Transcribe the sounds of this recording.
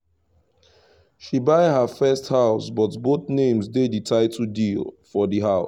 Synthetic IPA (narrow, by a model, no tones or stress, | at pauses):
ʃibaɪɦəfɛsthaʊsbɔtboθnẽmzdeditʰaɪtʰudilfɔdiɦaʊs